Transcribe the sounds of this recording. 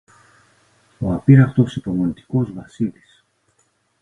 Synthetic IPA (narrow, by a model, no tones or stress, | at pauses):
oɐpiɾɐft̪o̞sipo̞mo̞nit̪i̥ko̞zvɐsilis